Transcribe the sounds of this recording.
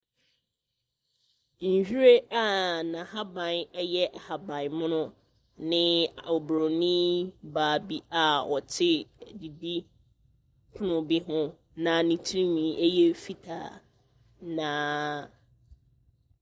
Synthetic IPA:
n̩˨ɕᶣi˦ɾe˦a˦nã˨ha˦bã˨nɛ˦jɛ˦ʔa˨ha˨bã˨nmʊ̃˦nʊ̃˦ | nɪ̃˦˨ɔ˨bɾo˨nĩ˦baː˨bi˦a˦ʔɔ˨tʰɪ˦˨di˨bi˦ | kʰʊ˦nʊ̃˨bi˦ɦʊ̃˦ | nã˨nĩ˨tʰi˦ɾĩ˦mĩ˨˦ʔɛ˦jɛ˦fi˦tʰa̰ː˨ | nãː˨˦

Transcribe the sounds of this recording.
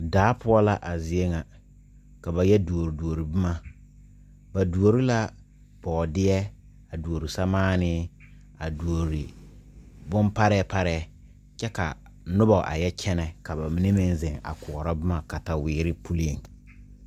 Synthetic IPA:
daː˨˦pʊ˦ɔ˦la˦ʔa˨zɪ˨e˦ŋa˨ | ka˨ba˨jɛ˦du˨o˨ɾi˨du˨o˨ɾi˨bɪ˦ma˦ | ba˨du˨o˨ɾi˦la˦ | b̥ɔ˨dɪ˦ɛ˦ | a˨du˨o˨ɾi˨sa˦maː˦nɪ˦ | a˨du˨o˨ɾi˨ | bʊ˦mpa˦ɾɛ˦pa˦ɾɛ˦˨ | t͡ʃɛ˦ka̰˨ | nʊ˦bɔ˨ʔa̰˨jɛ˦t͡ʃʰɛ˦nɛ˨ka˨ba˨mɪ˨ne˦mɪ˦nzɪ˨ŋa̰˨kʊ˨ɔ˨ɾa˦bɪ˦ma˨ka˨ta˨wɪː˨ɾɪ˦pu˦li˦e˨ŋ

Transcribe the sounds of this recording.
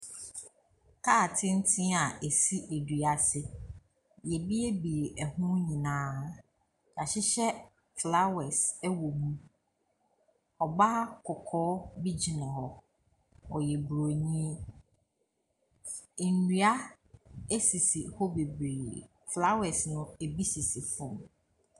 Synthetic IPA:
kʰaː˦˨tʰɪ̃˦n̩˦tʰĩ˦a˨ʔe˨si˦ʔe˨dɥa˨sɪ˦ | jɛ˨bi˦e˦bi˨e˨ʔæ˨hũ˦ɲĩ˨nãː˨˦ | d͡ʒa˨ɕɪ˦ɕɛ˦ | fla˦wɛ˨sɛ˦wo˨mũ˦ | ɔ˨ba˦kʰʊ˨kʰɔː˦bi˦d͡ʑi˨nã˨hɔ˨ | ɔ˨jɛ˨bɾo˨ɲĩ˦˨ | n̩˨ni˨˦a˦ | e˦si˨si˨hɔ˦be˨bɾeː˨ | fla˦wɛ˨snʊ̃˦e˨bi˦si˨si˨fɔ̃˦˨m

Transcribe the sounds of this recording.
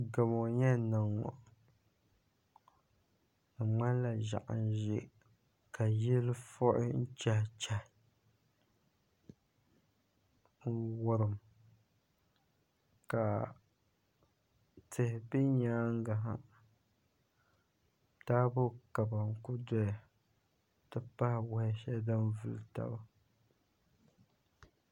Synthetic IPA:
ɡa˨mo˨ɲɛ˦nɨ˨ŋɔ̰˨ | a˨ŋ͡ma˦n˦la˨ʒa̰˨ʔa̰˨n˦ʒɪ˦ | ka˨jɪ˦lfɔ˦ʔɪ̰˦n̩˦t͡ʃa˦˨t͡ʃa˦ | wʊ˦ɾɨ˨m | ka˨ | tʰɨ˨hɪ˨bɨ˦ɲaː˦ŋ˦ɡa˨ɦa̰˦ | taː˦bʊ˦ka˨ba˨ŋ̩˨kʊ˦dɔ˦ja˨ | tɨ˦pa˦hɪ˦˨wa˨˦hʃɛ˦da˦nvʊ̰˨lta̰˦˨ba˦

